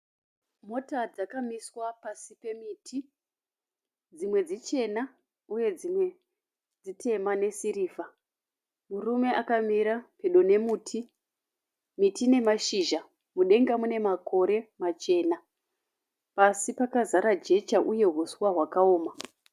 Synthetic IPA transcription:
mo̞tad͡zakamiswapasipe̞mitʰi | d͡zimwe̞d͡zit͡ʃe̞na | uje̞d͡zimwe̞ | d͡zitʰe̞mane̞siɾiːva | murume̞ʔakamiɾapeɗo̞ne̞muːtʰi | mitine̞maʃiʒa | muɗe̞ŋɡamune̞mako̞ɾe̞mat͡ʃe̞ːna | pasipakazaɾad͡ʒe̞t͡ʃaʔuje̞ɦuswaɦwakao̞ːma

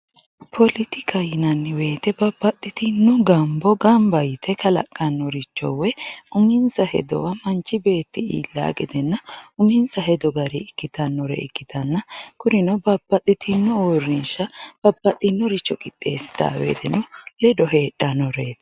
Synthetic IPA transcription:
pʰɔlɪt̪ɪkʰɐjɪnɐnːɪwe̞ːt̪ɛbɐbːɐt̪ʼːɪt̪ɪnːʊɡɐmbɔɡɐmbɐjt̪ʰɛkɐlɐ̰kʼːɐnːɔɾɪt͡ʃːɔ̰wɛʊmɪnsɐhɛ̰d̪ɔ̰wɐmɐnt͡ʃːɪbe̞ːt̪ːɪḭːlːa̰ːɡɛd̪ɛnːɐʊmɪnsɐɦɛd̪ɔɡɐɾiɪkːɪt̪ɐnːɔɾɛ̰ɪ̰kːɪt̪ɐnːɐkʊɾɪnɐbɐbːɐt̪ʼːɪt̪ʰɪnːɔɔrːɪnʃɐb̥ɐbːɐt̪ʼːɪnːɔɾɪt͡ʃːɔkʼɪt̪ʼːe̞̰ːsɪ̥t̪a̰ːwḛːt̪ɛnʊlɛd̪ɔɦe̞ːᶑːɐnːɔɾeːt̪

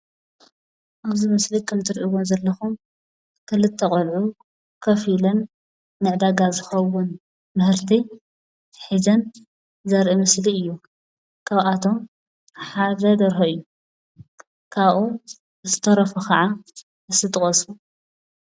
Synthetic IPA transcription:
ʔaβzimɨslikʰɐmt̪ʰɨɾʔiwonzɐlːɐxum | kʰɨlɨt̪ʰːɐχʼolʕu | kʰɐfilɐnː | ɨʕd̪aɡazɨxɐwʊn | mɨhɨɾt̪ʰi | ħizɐn | zɐɾʔimɨsliɨjːu | kʰaβat̪ʰo̞m | ħad̪ɐd̪ɐɾxɐɨjːu | kʰaβʔu | ɨt̪ɨ̥t̪ʰɐɾɐfukʰɐʕa | ɨsɨt̪ʼɨχʼɐsu

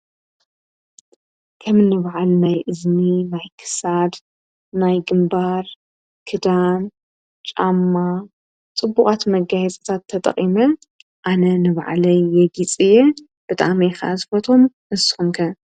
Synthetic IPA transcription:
kʰɐmɨnːɨβaʕalnajʔɨzminajkʰɨ̥sad̪ | najɡɨmbaɾ | kʰɨd̪am | t͡ʃʼamːa | t͡sʼɨbːuχʼat̪mɐɡajɛt͡sʼɐ̥t̪ʰat̪ʰːɐt̪ʼɐ̰qʼimɐ | ʔanɐnɨβ̰ʕ̰lɐjːɛɡit͡sʼɨjɛ | b̥ɨt̪ʼa̰mejxa̰ʔzɨfɐt̪ʰo̞m | ʔɨsɨ̥xumkʰɐ

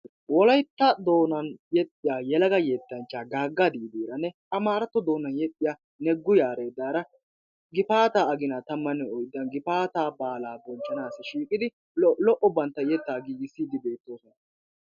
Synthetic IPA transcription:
wɔlɐjt̪ːɐd̪o̞ːnɐnjɛt̪ʼːɪjaːjɛlɐɡɐjeːt̪ːɐnt͡ʃːaːɡaːɡːɐd̪iːd̪iːɾɐnːɛʔɐmaːɾɐt̪ːɔd̪o̞ːnɐnjɛt̪ʼːɪja | nɛɡːʊjaːɾeːd̪aːɾɐ | ɡɪpaːt̪aːɐɡɪnat̪ɐmːɐnːɛɔjd̪ːɐnɡɪfaːt̪aːbaːlaːbɔnt͡ʃʼːɐnaːsɪʃiːkʼɪd̪ɪ | lɔʔɔbɐnt̪ːɐjɛt̪ːaːɡiːɡɪsːiːd̪ɪbe̞ːt̪ːo̞ːsɔnɐ

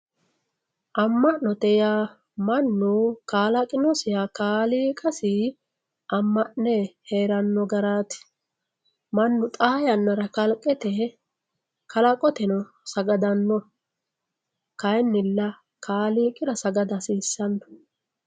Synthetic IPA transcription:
ʔɐmːɐʔɔt̪ɛjaː | mɐnːukaːlɐkʼɪnɔsɪjakaːliːkʼɐsi | ʔɐmːɐʔnɛheːɾɐnːɔɡɐɾaːt̪ɪ̥ | mɐnːʊt̪ʼaːjɐnːɐɾɐkɐlkʼːɛt̪ɛ | kɐlɐkʼɔt̪ɛnɔ | sɐɡɐd̪ɐnːɔ | kɐjnːɪlːɐ | kʰaːliːkʼɪɾɐsɐɡɐd̪ɐsiːsːɐnːɔ̥

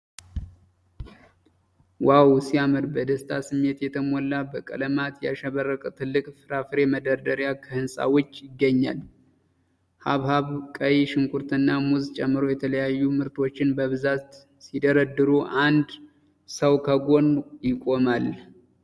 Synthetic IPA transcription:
wawsiamɨd̪bəd̪əst̪ʰasɨmːe̞t̪jɛt̪ʰəmɔlːabəkʼə̰ləmat̪jɛaʃəβərːəkʼt̪ʰɨlːɨkʼfɨɾafɨɾe̞məd̪əɾd̪əɾjakʰəhɨnsʼa̰wʊt͡ʃːjɪɡːəɲːa̰l | haβhaβkʼəjiʃɪŋkʼuɾt̪ʰɨnːamuzt͡ʃʼɛmːɨɾojɛt̪ʰələjajːumɨɾt̪ʰo̞t͡ʃːɪnbəβɨzat̪ | sid̪əɾəd̪ɨɾuʔand̪ | səwkʰəɡo̞njɪkʼo̞mal

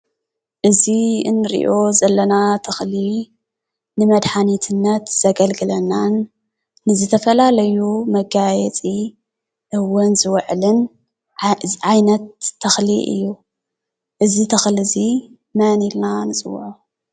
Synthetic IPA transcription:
ʔɨziɨnːɨɾḭʔo̞zɐlːɐnat̪ʰɐxliː | ɨmɐd̪ħanit̪ʰɨnːɐt̪z̥ɐɡɐlɡɨlɐnːanː | ɨzɨt̪ʰɐfɐlalɐjumɐɡajɛt͡sʼi | ʔɨwɐnzɨwɐʕlɨn | ʕajnɐt̪ʰːɐxlḭʔɨ̰jːu | ʔɨzit̪ʰɐxlɨzi | mɐnilnanɨt͡sʼɨwʕo

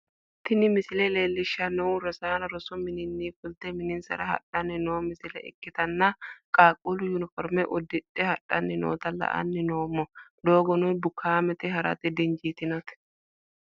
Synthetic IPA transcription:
t̪ɪnɪmɪsɪlɛle̞ːlːɪʃːɐnɔwɾɐsaːnɐɾɔsɔmɪnɪnːiːfʊlt̪ɛmɪnɪnsɐ̰ɾɐhɐ̰ᶑɐnɪnoːmɪsɪlɛ̰ʔɛ̰kːɪt̪ɐnːɐkʼaːkʼːʊlʊjʊnɪfɔɾmɛʔɔd̪ːɪtʼːɛhɐᶑɐnːɪno̰ːt̪ɐlɐ̰ʔɐ̰nːɪnoːmːɔd̪o̞ːɡɔnɔnbʊkʰːaːmɛt̪ɛɦɐɾɐ̰t̪ɛd̪ɛnd͡ʒiːt̪ɪnɐt̪ɛ̥

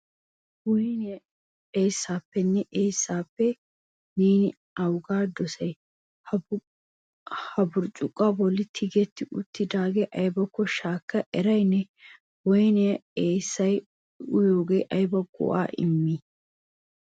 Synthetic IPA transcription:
wɔn | eːsːaːpːɛnːɛʔeːsːaːpːɛ | niːnɪ | ɐwɡaːd̪ɔsɐj | hɐbʊɾt͡ʃʼʊkʼːabɔlːɪt̪ʰɪɡɛt̪ːɪʔʊt̪ːɪd̪aːɡeʔɐjbɐkːɔʃaːkːɐʔɛɾɐjnːɛ | wɔjnɛɐeːsːɐj | ʊjoːɡe̞ːʔɐjbɐɡʊ̰ʔa̰ːʔɪ̰mːi

